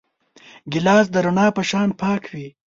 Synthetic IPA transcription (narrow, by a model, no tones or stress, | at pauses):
ɡɪlɑːs̬d̪əɾʊɳɑːpəʃɑːnpɑːkʰwi